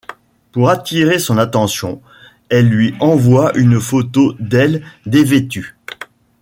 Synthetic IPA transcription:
puʁat̪iʁesɔ̃nat̪ɑ̃sjɔ̃ | ɛlːɥiɑ̃vwaʔynfot̪od̪ɛld̪evet̪y

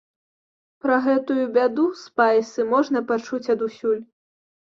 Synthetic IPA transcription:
pɾɐɣɛt̪ujubʲad̪uspajsɨmɔʐnɐpat͡ʂut͡sʲɐd̪usʲulʲ

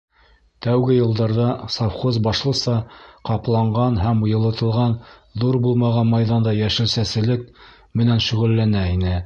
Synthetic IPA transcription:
t̪æwɡɘjɤ̆lˠd̪ɑɾðɑsɑfχozbɑʃlˠɤ̆sɑqɑplˠɑɴɢɑnɦæmujɤ̆lˠɤ̆t̪ɤ̆lˠʁɑnðuɾbulˠmɑʁɑnmɑjðɑnd̪ɑjæʃɘ̆ɾsæsɘ̆lɘk̚ | mɘ̆nænʃɵ̆ʁɘ̆lːænæinɘ

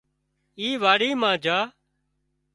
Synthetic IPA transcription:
iːʋaːɽiːmãːd͡ʒaː

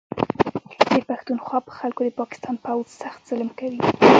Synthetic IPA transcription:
d̪̥əpaxt̪unxwɑpə̥xalkod̪əpɑkɪ̥st̪ɑnpawzsaxt̪z̥ɪlmkawi

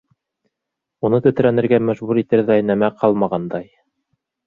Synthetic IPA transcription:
unɤt̪ɵ̆t̪̆ɾænɘ̆ɾɡæmæʒβuɾit̪ɘɾðæjnæmæqʰɑlˠmɑʁɑnd̪ɑj

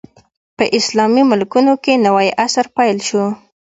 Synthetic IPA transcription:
pəʔɪslɑmimʊlkunokenawajʔasaɾpajlʃo

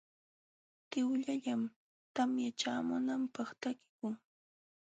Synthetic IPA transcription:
t̪ɪwʎaʎam | t̪amjat͡ʃaːmʊnampɑχt̪akɪ̥kʊŋ

